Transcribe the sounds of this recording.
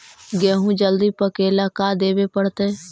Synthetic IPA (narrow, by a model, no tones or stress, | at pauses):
ɡɛːɦũd͡ʒəld̪ipəkeːlakaːd̪eːbepəɽt̪eː